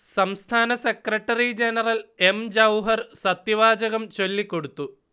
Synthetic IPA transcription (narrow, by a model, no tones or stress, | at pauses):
sɐmst̪ʰaːnɐse̞krɐʈːɐrid͡ʑenɐrɐle̞md͡ʑɐwɦɐrsɐt̪jiʋaːd͡ʑɐɣɐmt͡ɕo̞lːikːo̞ɽut̪ːu